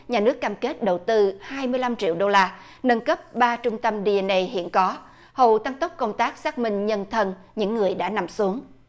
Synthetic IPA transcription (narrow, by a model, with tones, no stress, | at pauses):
ɲaː˨˩nɨ˦˥əkːaː˧mke˦˥t̚ɗə˨˩wt̪ɨ˧haː˧jmɨ˧əjla˧mt͡ɕḭ˧˨wɗo˧laː˧ | nə˧nkə˦˥p̚ɓaː˧t͡ɕʊ˧ŋ͡mt̪ə˧mɗi˧ɛ˧nʔe˧ɦḭ˧˨ənkɔ˨˦ | hə̰˧˨wt̪a˧ŋt̪ə˦˥k͡p̚kə˧wŋ͡mt̪aː˦˥k̚saː˦˥k̚mï˧ŋ̟ɲə˧nt̪ʰə˧n | ɲɨ̰˧˥ŋːɨ˨˩əjɗa̰ː˧˥na˨˩msu˨˦əŋ